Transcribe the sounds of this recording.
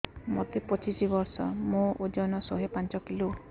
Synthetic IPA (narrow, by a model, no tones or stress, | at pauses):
mot̪epɔt͡ʃisibɔɾsɔ̰mõod͡ʒɔnɔsoɦepant͡ʃɔkilu